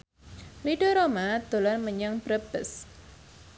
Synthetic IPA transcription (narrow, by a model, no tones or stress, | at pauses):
riɖoɾomad̪̥olanməɲaŋb̥ɾəbəs